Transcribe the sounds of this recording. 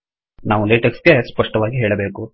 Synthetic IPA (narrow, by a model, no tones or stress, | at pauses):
naːʋuleːʈɐksɡespɐʂʈɐʋaːɡiɦe̞ːɭɐbeːku